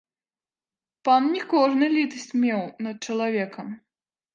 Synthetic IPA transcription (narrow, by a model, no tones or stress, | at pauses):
pannʲikɔʐnɨlʲit̪ɐsʲt͡sʲmʲɛwnɐt̪̚t͡ʂɐlˠavʲɛkɐm